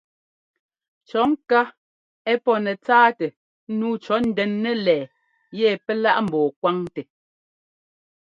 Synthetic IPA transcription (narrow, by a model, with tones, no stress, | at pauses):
t͡ʃɔ˨˦ŋ̩˦ka˦ | ɛ˦pɔ˦nɛ˨t͡saː˦tɛ˨˦ | nuː˦t͡ʃɔ˨˦n̩˨dɛ˨nːɛ˦lɛː˨ | jɛ˦˨pɛ˦la̰˦ʔm̩˨bɔː˨kwa˦ŋtɛ˨